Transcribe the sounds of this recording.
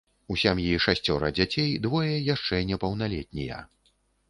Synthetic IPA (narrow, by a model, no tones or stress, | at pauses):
usʲamjiʂasʲt͡sʲɔɾɐd͡zʲat͡sʲejd̪vɔjɛjaʂt͡ʂɛnʲɛpɐwn̪alʲɛt̪̚ʲnʲḭjɐ̰